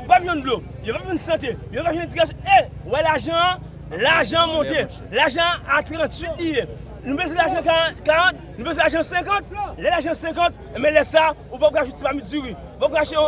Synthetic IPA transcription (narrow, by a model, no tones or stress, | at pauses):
papjɔ̃nlojopapvĩnsãt̬ejopapaʃenẽd͡ziɡas̬ewɛlaʒã | laʒãmɔ̃t̪e | laʒãat̪ɣɾãt͡sɥit̪lije | nũpezĩlaʒãkakaɣãt̪̚ | nũpezĩlaʒãsɛ̃kãt̪̚lɛlaʒãsɛ̃k̬ãt̪̚ | emɛ̃lɛsa | upɔp̚kaʃut͡sipamid͡ziwi | upɔp̚kaʃɛ̃